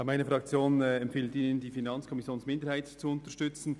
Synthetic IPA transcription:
maɪnəfʁɑk̚t͡sjoːnɛmpfeːltiːnəndiːfinɑnt͡skʰɔmɪsjoːnsmɪndəɾhaɪtt͡suʊntəʃtʏt͡sn̩

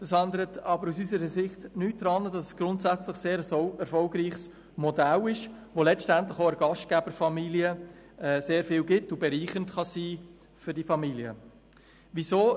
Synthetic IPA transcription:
d̥ɑsændəɾətʰɑbəɾusysəɾəsɪχtnyːt̚d̥ɾɑnəd̥ɑsɛsɡ̥ɾʊntsæt͡slɪχseːɾəsɛɾfɔlɡɾiːχs | modælɪʃʋolɛt͡stæntlɪχoəɾɡɑʃt̚ɡ̥ɛbəɾfɑmiliəɛːseːɾfɪːlɡɪtʊbɛɾiːχəntχɑsiː | fʏɾdifɑmiliə̰ | visoː

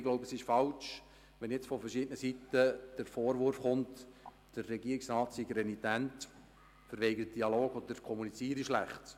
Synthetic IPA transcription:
ɡloʊbəsɪʃfɑlt͡ʃ | ʋɛnjɛt͡sfɔfərʃɪdənəsitəd̥əɾfoːɾʋʊɾfχʊnt | d̥ərːɛɡiəɾiksrɑːtsiɡɾɛnitænt | fəɾʋeɪɡələt̚d̥iɑloːɡɔd̪əɾkʰɔmunit͡siːəɾiʃlæχt

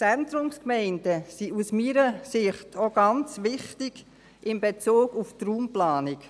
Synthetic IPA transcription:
ændɾʊmskmɛɪndəsiusmiːɾəsɪχtʰoɡɑnt͡sʋɪχtɪɡ̥ | ʔɪmbet͡suːɡuftruːmplaːnɪk

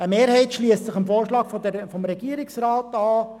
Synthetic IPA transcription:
əmeːɾhɛɪtʃliəst͡sɪχəmfoːrʃlɑːɡ̥fɔd̪fɔmɾɛɡiəɾɪksɾɑːtɑː

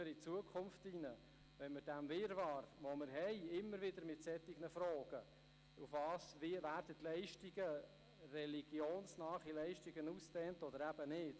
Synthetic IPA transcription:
əɾit͡suəkʰʊmftinə | ʋɛnməd̥æmvɪɾvɑːɾvoməɾɦɛɪɪmːəɾvɪdəɾmɪtsɛt̪ːɪɡ̥nəfɾoːɡ̥ə | ufvɑːsviːvæːɾd̥ətlɛɪʃtiɡə | rɛliɡ̥joːnsnɑːχilɛɪʃtiɡənustɛːntɔd̪əɾæb̥ənɪːt

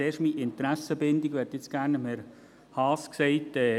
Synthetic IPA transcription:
eːrʃmiʔɪnt̪ɾæsəbɪnd̪iɡʋɛtɪt͡sɡ̥æːɾnəmɛɾ | hɑːsksɛɪtɛː

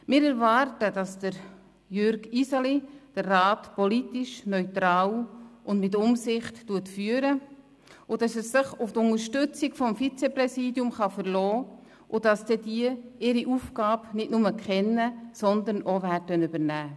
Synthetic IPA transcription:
mɪːɾɛɾvɑɾtədɑsd̥əɾ | jøɾɡisɑlid̥əɾːɑːtpɔlitiʃnœʏtɾɑːlʔʊndmɪt̬ʊmsɪχtːuətfyːəɾə | ʊd̥ɑsɛsːɪχʊftʊŋəɾʃtʏt͡siɡfɔmfit͡sɛprɛsiːdjʊmχɑfəɾlɔː | ʔʊd̥ɑsd̥ɛdiəɪɾiʔuːfkɑːbnɪtnʊməkχɛnːəsɔnd̪ənʔovæːtœnybəɾnæː

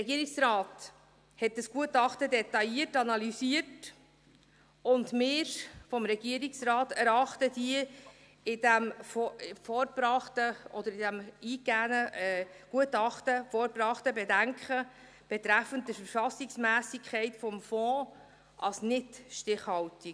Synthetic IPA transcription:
əɛɡiəɾiksɾɑːt | hɛt̚dɑsɡ̥uətɑχtədɛtɑjiətɑnɑlysiət | ʊndmɪːɾfɔmɾɛɡ̥iəɾiksrɑːtæɾɑχtəd̥iə | ɪdæm | fɔɾbɾɑχtəʔɔd̪əɾɪdæmiːɡænəɡ̥uətɑχtəfɔɾbɾɑχtəbɛdæŋkχə | b̥ɛt̪ɾæfənt̚dəfəɾfɑsiksmæːsikʰɛɪtfɔmfɔ̃ː | ʔɑlsnɪtʃtɪχhɑlti

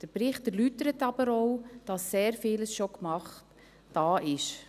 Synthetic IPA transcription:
d̥əɾpɾɪχtɛɾlytəɾətɑb̥əɾɔwd̥ɑsːeːɾfiːləsʃokmɑχt | d̥ɑːʔɪʃ

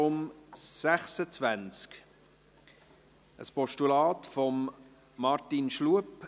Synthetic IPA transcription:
ʊmsæχsət͡svænt͡sk | ʔəspɔʃtulɑːt̪fɔmː | ɑɾtinʃluəp

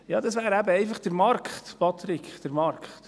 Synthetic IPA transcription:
jɑːdɑsʋæːɾæbəɛɪfɑχd̥əɾmɑɾkχtpɑt̪ɾɪkχd̥əɾmɑɾkχt

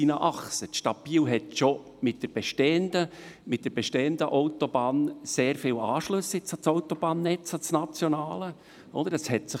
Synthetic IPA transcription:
inəʔɑχsət̪ʃtɑpiːlɦɛtʃo | mɪt̚d̥əɾb̥ɛʃtɛːənd̥̪əmɪt̚d̥əɾb̥ɛʃtɛːənd̪əʔoʊtobɑːnseːɾfɪːlɑːʃlɵsjɪt͡sɑt͡soʊt̪ob̥ɑːnːɛt͡sɑt͡snɑt͡sjonɑːlə | ʔɔ̰d̪əɾəshɛtsɪ

